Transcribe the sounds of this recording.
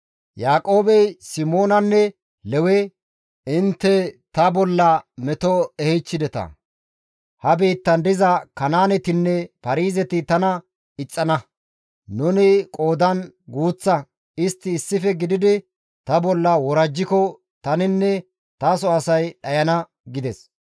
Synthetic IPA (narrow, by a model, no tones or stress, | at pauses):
jaːkʼo̞ːbɛjsɪmoːnɐnːɛ | lɛwɛ | ɪnt̪ːɛt̪ɐbɔlːɐmɛt̪ɔɛhɛt͡ʃːɪd̪ɛt̪ɐ̰ | hɐbiːt̪ːɐnd̪ɪzɐkɐnaːnɛt̪ɪnːɛpɐɾiːzɛt̪ɪt̪ɐnɐ | ɪt͡sʼːɐnɐ | nʊnɪkʼoːd̪ɐnɡuːt͡sːɐ | ɪst̪ːɪːsːɪfɛɡɪd̪ɪd̪ɪ | t̪ɐbɔlːɐwɔɾɐd͡ʒːɪkɔ | t̪ɐnɪnːɛ | t̪ɐsɔɐsɐjɗɐjɐnɐ | ɡɪd̪ɛs